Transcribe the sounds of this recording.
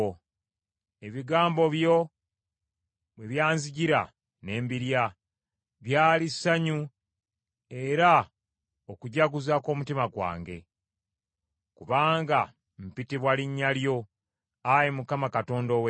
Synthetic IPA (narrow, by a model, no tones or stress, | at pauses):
e̞βiɡaːmbo̞βjo | weβjaːnziɟiɾa̰ | ne̞ːmbiɾja | βjaːlisaɲu | e̞ɾa | okuɟaɡuzako̞ːmutimaɡwa̰ːŋɡe̞̰ | kuβaːŋɡa | m̩pitiβwaliɲːaljo̞ | ajemukamakato̞ːndo̞we